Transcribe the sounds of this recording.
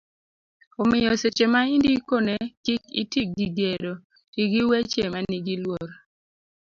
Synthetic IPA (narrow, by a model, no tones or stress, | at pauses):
omɪjɔset͡ʃemaindikonɛkikḭtik̚ɡiɡedo | tiɡiwet͡ʃemaniɡilwoɾ